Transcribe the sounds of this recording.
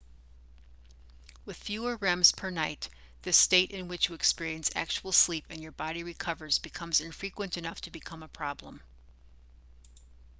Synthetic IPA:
wɨð̥fjʉə˞ɹɛ̃mz̥pʰə˞naɪt̪̚ | ðɨsteɪɾʔɨ̃nwɨt͡ʃjɨɨkspɪɹiɨ̃nsæ̰k̚t͡ʃuwl̩ˠslipɨ̃njə˞bɑɾiɹɨkʰʌvə˞zbɨkʰʌ̃mzɨ̃ɱfɹikwɨ̃ntɨnʌftʰɨbɨkʰʌ̃məpʰɹ̥ɑblə̰̃m

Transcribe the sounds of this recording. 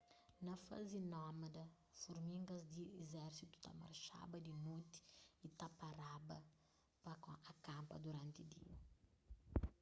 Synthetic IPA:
nɐfa̰zinɔmɐd̪ɐ | fuɾmiŋɡɐzd̪iezɛɾsit̪u̥t̪a̰ma̰ɾʃa̰bɐd̪inut̪i̥it̪apaɾabɐ | pakõɐkãmpɐ̰d̪uɾãnt̪id̪ḭu

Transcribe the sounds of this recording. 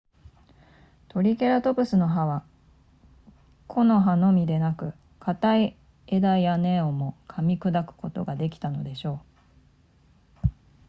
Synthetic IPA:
t̪o̞ɾʲike̞ɾat̪o̞bɯ̟sɨno̞ɦaβa | kʰo̞no̞ɦano̞mʲid̪e̞nakɯ̟ | kʰat̪ai | e̞d̪aiane̞ːo̞mo̞kʰamʲikɯ̟d̪akɯ̟̥ko̞t̪o̞̰ɡad̪e̞kʲi̥t̪ano̞d̪e̞ɕo̞ː

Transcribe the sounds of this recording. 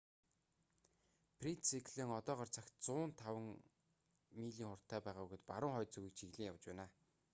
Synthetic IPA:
pʰrint̪sikʰɮeːŋɔt̪ɔːʁɔːrt͡sʰax̚ʲt͡sʊːnt̪ʰawə̆ŋ | miːɮiːŋχʊr̥t̪ʰːæːpæːʁaːuɣɘ̆t̪paɾʊ̆ŋχɔjt͡suɣiːk̚t͡ɕʰiɣɮiːŋjawt͡ɕpæːnaː

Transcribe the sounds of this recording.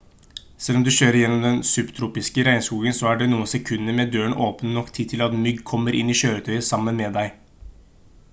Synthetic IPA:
sɛlɔmd̪ʉɕøːɾəɾɪjɛnːɔmd̪ɛnsʉbt̪ʰɾuːpɪskəɾæɪskuːɡənsɔæɖɛnuːənsɛkʰʉnːəɾmɛd̪øːəɳʔoːpnənɔkt̪ʰɪːdt̪ʰɪlɑt̪mʏɡkʰɔmːəɾʔɪ̰nːiːɕøːɾət̪ʰœʏəsɑmːənmɛd̪æɪ

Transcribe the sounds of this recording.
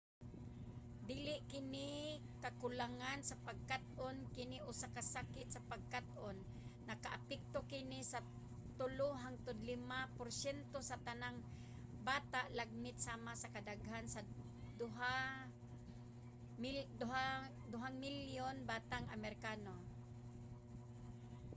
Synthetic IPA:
d̪iːlɪʔkɪnɪ | kakʊlaŋansapaɡ̚kat̪̚ʔonkɪnɪʔʊsakasakɪt̪sapaɡ̚kat̪ʔonː | akaʔapɛk̚t̪okɪnɪsa | t̪ʊlʊɦaŋt̪ʊd̪lɪmapʊɾsjɛnt̪osat̪anaŋ | baːt̪aʔlaɡ̚mɪt̪̚saːmasakad̪aɡhansa | d̪ʊɦa | md̪ʊɦa | d̪ʊɦaŋmɪljonbaːt̪aŋamɛɾkaːno

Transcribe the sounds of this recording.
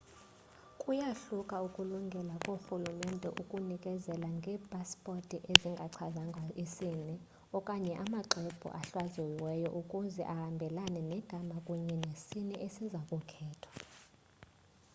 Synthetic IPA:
kʼujaɬukʼaukʼuluŋɡʱɛlakʼoxulumɛndʱɛʔukʼunikʼɛzɛlaŋɡʱɛːpʼaspʼotʼiʔeziŋɡʱaǀʰazaŋɡʱaʔisinɛ | ɔkʼaɲɛʔamaǃɛb̥ʱṵʔaɬwazɛwɛjɔʔukʼuzɛ̰ʔahambʱɛlanɛnɛɡ̥ʱamakʼuɲɛnesinɛʔesizakʼukʰɛːtʰɔ̥

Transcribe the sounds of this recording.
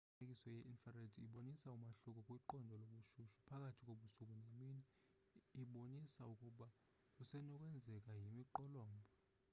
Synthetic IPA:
ekʼisɔjɛʔinfaredʰiɓonisaumaɬuk̬ʼɔkʼwiǃɔndʱɔloɓuʃuʃu̥pʰak̬ʼatʰikʼoɓusuk̬ʼunemiːniː | ɓonisaukʼuɓa | usɛnɔk̬ʼwɛnd͡zʱɛk̬ʼajimiǃɔlɔːmbʱɔ

